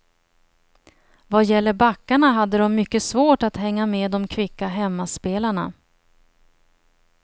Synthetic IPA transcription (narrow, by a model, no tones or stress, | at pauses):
vajɛl̪ːəɾbakːaɳaɦad̪ːəd̪ɔmːʏkːəsvoːʈat̪hɛŋːameːd̪ɔmkʰvɪkːaɦɛmːaspeːlaɳa̰